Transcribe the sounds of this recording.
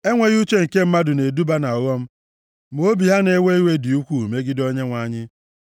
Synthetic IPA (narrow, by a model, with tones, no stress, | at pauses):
e˦ŋʷe˨ɣu˦t͡ʃe˦ŋ̩˨ke˦m̩˦ma˦dʊ˨ne˨du˦ba˦na˨ɔ˨ɣɔ˦m̩˦ | m˨o˦bi˨ɦa˦ne˦we˦i˦we˦dɪ˨u˦kʷu˦˨me˦ɡɪ˦do˦ɲe˦ŋʷa˨˦ɲɪ˦